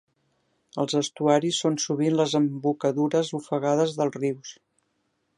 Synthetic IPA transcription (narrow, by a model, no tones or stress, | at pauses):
əlˠzəst̪uaɾisːonsuβinləzəmbukəðuɾəzufəɣaðəzðəlˠriws